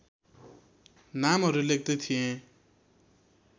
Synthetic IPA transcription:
namɦʌɾulek̚t̪ʌt̪ʰijẽ

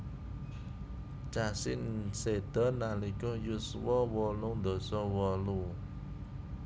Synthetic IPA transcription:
t͡ʃasinsed̪̥ɔnːalikʊhjuswɔwɔlund̪osɔwɔlu

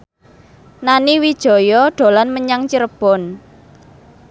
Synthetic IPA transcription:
naniwid̥ʒ̥ɔ̤jɔɖ̥o̤lanməɲaŋt͡ʃiɾəb̥ɔn

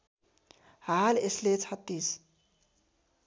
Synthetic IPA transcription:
haːleslet͡sʰat̪ːis

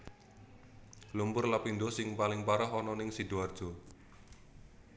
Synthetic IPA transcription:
lumpʊrlapinɖ̪ɔsɪŋpalɪŋpaɾɔɦɔnɔnɪŋsid̥uard̥ʒ̥ɔ̤

